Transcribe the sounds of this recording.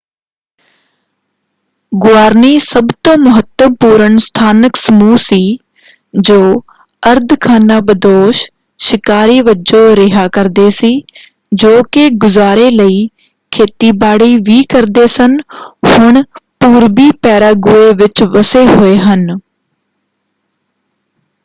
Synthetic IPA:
ɡʊaːɾniːsəbt̪õːmʊɦət̪ːəpuːɾəɳst̪ʰaːnəksəmuːsiː | d͡ʒoː | əɾd̪ʱkʰaːnaːbəd̪oːʃ | ʃɪkaːɾiːʋəd͡ʒoɾɪɦaːkəɾd̪eːsiː | d͡ʒoːkeɡʊzaːɾeləiː | kʰeːt̪ibaːɽiːʋiːkɐɾd̪eːsənhʊɽ̃puːɾbiːpɛːɾaːɡʊeʋɪt͡ʃʋəseɦʊeːɦən

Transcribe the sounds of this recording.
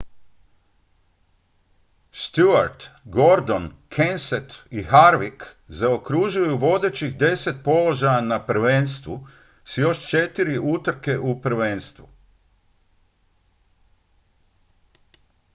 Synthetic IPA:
st̪juaɾt̪ɡo̞ɾd̪onkʰenset̪ixaɾʋik | zaokɾuʒujuʋo̞d̪e̞t͡ʃiɣd̪e̞set̪̚po̞lo̞ʒajanapɾ̩ʋe̞nst̪ʋu | sjo̞ʃt͡ʃe̞t̪iɾiʔut̪ɾke̞ʔupɾʋe̞nst̪ʋu

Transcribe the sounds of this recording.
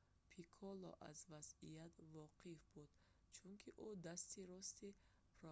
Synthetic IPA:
pʰikʰɔlɔ̰ʔa̰zvazijat̪vɔqʰifbud̪̥ | t͡ʃʰuŋkʰiʔud̪ast̪iɾɔst̪i | pʰɾɔ

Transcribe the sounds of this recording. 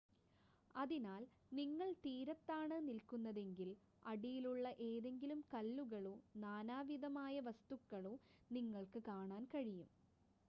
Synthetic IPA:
ɐðinaːl | niŋːɐɭt̪iːɾɐt̪ːaːɳɨnilkunːɐðe̞ŋɡil | ɐɽijiluɭːɐʔe̞ːðe̞ŋɡilumkɐlːuɣɐɭoːnaːnaːʋiðɐmaːjɐʋɐst̪ukːɐɭoːniŋːɐɭkɨkaːɳaːnkɐɻijum

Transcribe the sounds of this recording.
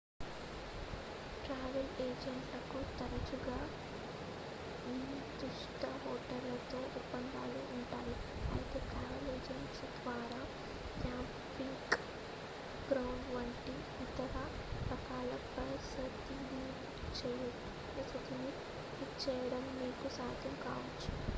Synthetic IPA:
ʈɾaːʋɐleːd͡ʒeɳʈlɐkut̪ɐɾɐd͡ʒuɡaː | iː | d̪uʂʈ̪ɐɦoːʈɐɾlɐt̪o̞ːʔupːɐnd̪aːluːɳʈaːjiɐ̰jɐt̪eːʈɾaːʋɐleːd͡ʒeɳʈsd̪ʋaːɾaː | kjaːm | piŋk | ɡɾɐwɳɖʋɐɳʈi | it̪ɐɾɐ | pɾɐkaːlɐpɐsɐt̪ːiniː | t͡ʃɛjɐ | ɐsɐt̪ii | it͡ʃɛːjɐɽɐmːiːkusaːd̪ʱjɐmkaːʋɐt͡ʃːu̥

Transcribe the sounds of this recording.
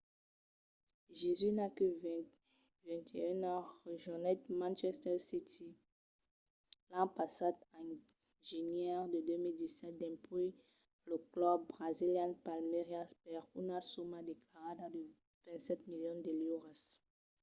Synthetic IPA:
ʒezynaky | vɛ̃t̪ʰeɛ̃naʒɔnɛt̪mãnʃɛst̪ɛʁsit̪i | lɑ̃pasad̪ɛ̃ | ʒenjɛʁd̪əd̪ømild̪isɛt̪̚d̪ɛ̃pi | ləklɔbːʁaziljãnpalmeʁjaspɛʁunasomad̪eklaʁad̪ad̪ə | vɛ̃nt̪sɛt̪miljɔ̃nd̪əliʁas

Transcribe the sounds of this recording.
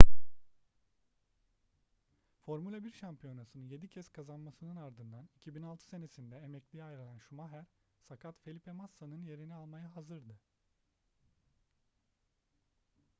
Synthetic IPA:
fo̞ɾmulʲabiɾʃampʰijo̞nasɯnɯnje̞d̪icʰɛskʰazanmasɯnɯnaɾd̪ɯnd̪anicʰibinalˠt̪ʰɯ̥se̞ne̞sind̪ɛemɛclʲijajɾalʲˠænʃumaɦæɾsakʰat̪fe̞lʲipʰemasːanɯnje̞ɾinialˠmajaɦazɯɾd̪ɯ

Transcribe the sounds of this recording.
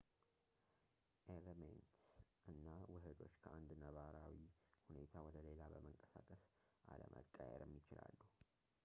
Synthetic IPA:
ʔeləment̪sʔɨnːawɨɦɨd̪o̞t͡ʃːkʰəand̪nəβaɾawihune̞t̪ʰawɔd̪əle̞labəməŋkʼəsakʼəs | ʔaləmʔət̪ʼːəjɛ̰ɾɛmːit͡ʃɪla̰lːuh

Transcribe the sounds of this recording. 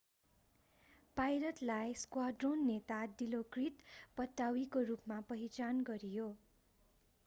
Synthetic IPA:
pajɾʌt̪lajskwaɖronːet̪aɖilokrit̪pʌt̪ːawikorupmapʌɦit͡sanɡʌɾijo

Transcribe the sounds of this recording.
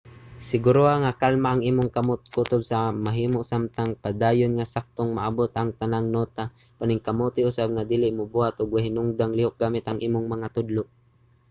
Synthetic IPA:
sɪɡʊɾoaŋakalmaʔːŋʔiːmʊŋkamʊt̪̚kut̪ʊbsamaɦiːmoʔsamt̪aŋpad̪aːjʊnŋasak̚t̪oŋmaʔabʊt̪ʔaŋt̪anaŋnoːt̪a | panɪŋkamut̪ɪʊsab̚ŋad̪iːlɪʔmʊbuhat̪ʔʊɡwahɪnʊŋd̪aŋlɪhʊk̚ɡamɪt̪aŋʔiːmʊŋmɐŋat̪ʊd̪loʔ

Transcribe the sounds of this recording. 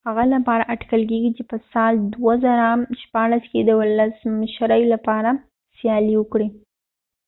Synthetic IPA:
haɣalapɑɾaʔaʈkəlk̬eɡit͡ʃepəsɑld̪wazaɾamʃpɑɽasked̪əwʊlasmɪʃɾəjlapɑɾa | sjɑliwəkɽi

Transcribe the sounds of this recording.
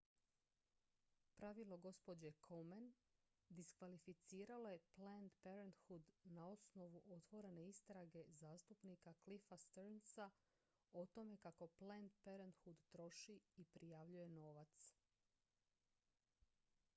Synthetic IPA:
pɾaʋilˠo̞ɡo̞spod͡ʑekʰomen | d̪iskʋalifit̪siːɾalo̞je̞plend̪peɾent̪xud̪nao̞sno̞ʋuʔo̞t̪ʋo̞ɾe̞ne̞ist̪ɾaɡe̞zaːst̪upnikaklifast̪eɾnsa | ot̪o̞me̞kako̞plend̪peɾent̪xud̪t̪ɾo̞ʃiipɾijaʋʎuje̞no̞ːʋat̪s

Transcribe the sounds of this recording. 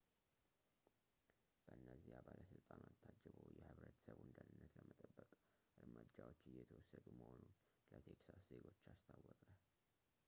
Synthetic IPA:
b̥əʔɨnːəzːihabalʔəsɨlt̪ʼanat̪ʰːad͡ʒːəβojɛhɨβɾət̪səβwɨnd̪ənɨnːət̪ləmət̪ʼəbːəkʼ | ʔɨɾməd͡ʒawot͡ʃːɨjːɛt̪ʰəwɔsːəd̪uməhonun | lət̪ʰeksasze̞ɡo̞t͡ʃːast̪ʰawːɔkʼə

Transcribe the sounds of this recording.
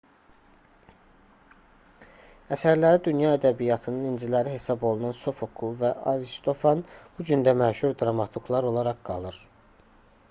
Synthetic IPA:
æsæɾlæɾid̪ynjɑæd̪æbijɑt̪ʰɯnɯnind͡ʒilæɾiɦe̞sɑbo̞lˠunɑnso̞fokʰulˠvæʔɑɾist̪ʰo̞fɑnb̥ud͡ʒynd̪æmæʃuɾd̪ɾɑmɑt̪ʰuɡlˠɑɾo̞lˠɑɾɑʁɡ̥ɑ̰lˠɯɾ̥

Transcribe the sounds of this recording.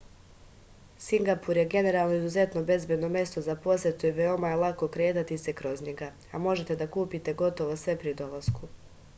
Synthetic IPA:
siŋɡapuɾje̞ɡe̞ne̞ɾaːlˠno̞izuze̞t̪no̞be̞zbed̪nomje̞st̪o̞zapo̞sjet̪uiʋeo̞majelˠako̞kɾeːt̪at̪ise̞kɾo̞zɲeɡa | amo̞ʒe̞t̪e̞d̪akuːpit̪e̞ɡo̞t̪o̞ʋo̞sʋe̞pɾid̪o̞lˠasku

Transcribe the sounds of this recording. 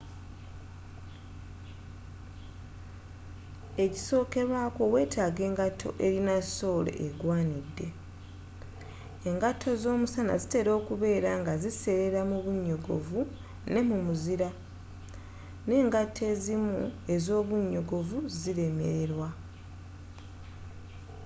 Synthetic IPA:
e̞ci̥so̞ːke̞βwaːko̞we̞ːtʰaːɡe̞ːŋɡatʰːo̞̰ʔe̞ɾinaso̞ːlḛʔːɡwaːnidːe̞ | ŋɡatʰːo̞zo̞ːmusana̰zite̞ɾo̞ːkuβe̞ːɾaŋɡazise̞ɾeɾamuβuɲːo̞ɡo̞̰vu | ne̞mumuziɾa | ne̞ːŋɡatʰːe̞zimue̞zo̞ːβuɲːo̞ɡo̞vuziɾe̞me̞̰ɾeɾwa

